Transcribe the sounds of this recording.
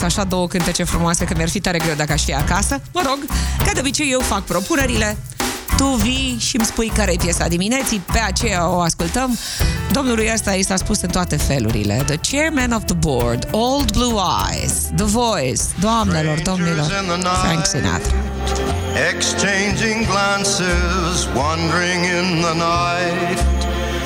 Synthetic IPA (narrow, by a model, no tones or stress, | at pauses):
saʃad̪o̞wəkɨnt̪ət͡ʃefɾumoase̞kəmʲjarfit̪aɾe̞ɡɾe̞wd̪akəaʃfiakasəməɾo̞ɡkad̪obit͡ʃeje̞wfak̚pɾo̞pune̞ɾile̞ | t̪uviʃimspujkaɾejpjesa̰d̪imine̞t̪sibe̞at͡ʃe̞jaoaskult̪əm | d̪o̞mnulujəst̪ajest̪aspusɨnt̪oat̪e̞fe̞lṵɾḭlḛd̪ət͡ʃɛrmɛnovðəbord̪old̪bluajz̥ | d̪əvojsd̪oamne̞lo̞rd̪o̞mnilornəfɾɛ̰̃ŋksina̰t̪ | ɪkst͡ʃʰẽɪ̃nd͡ʒɪ̃ŋɡlæ̃nsɪ | zwʌ̃ndə˞ɪ̃ŋɪ̃nðənaɪ | t̚